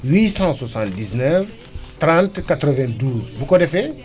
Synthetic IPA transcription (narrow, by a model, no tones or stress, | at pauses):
wisɑ̃swasɑ̃nt̪̚d̪iznɛf | t̪ɾɑ̃nt̪kat̪ɾəvɛ̃d̪uzbukod̪efe